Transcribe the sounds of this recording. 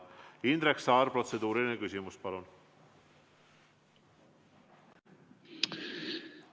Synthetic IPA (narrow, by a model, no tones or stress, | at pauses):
ind̪ɾeksɑːɾpɾo̞t̪sed̪uːɾilnekysʲimuspɑlun